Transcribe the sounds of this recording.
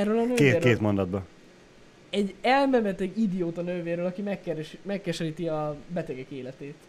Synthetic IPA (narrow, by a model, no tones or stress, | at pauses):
ɛrːøːlɒnøːkeːeːrkeːt̪mo̞nd̪ɒd̪bɒ | ɛɟːɛlmɛmɛt̪ɛɡid̪ijoːt̪ɒnøːveːrɾøːlɒkimɛkːɛɾɛʃimɛkːɛʃɛɾiːt̪iɒbɛt̪ɛɡɛkeːlɛt̪eːt̪